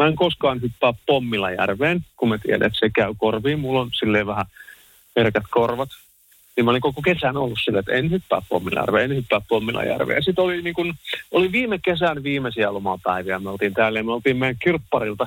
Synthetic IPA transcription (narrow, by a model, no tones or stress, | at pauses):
mæeŋkoskɑːnhypːæːppomːilɑjæ̰rʋeːnkummæt̪ḭæ̰dæ̰et̪sekæykorʋiːmulːonsilːeːʋʋæhæ | herkæt̪korʋɑt̪ | niːmoliŋkokokesænolːussilːeet̪enhypːæ̰ːppo̰mːḭlɑ̰jæ̰rʋḛːenhypːæːppomːilɑ̰jæ̰rʋḛːsit̪oliniːŋkunoliʋiːmekesænʋiːmesiælomɑpæiʋiæmæolt̪iːnt̪æːlːejmæolt̪iːmmejækkirpːɑrilt̪ɑ